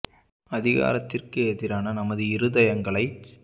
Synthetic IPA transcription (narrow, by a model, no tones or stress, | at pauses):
ɐðɪɣa̰ːɾɐt̪ːɪrkɯeðɪɾaːnɐnɐmɐðɯɪɾɯðɐjɐŋɡɐɭɐɪ